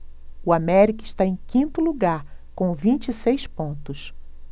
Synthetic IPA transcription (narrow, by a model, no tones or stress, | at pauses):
ʊamɛɾikɐɪʃt̪aẽj̃kĩnt̪ʊluɡaɾkõvĩnt͡ʃisejspõnt̪ʊs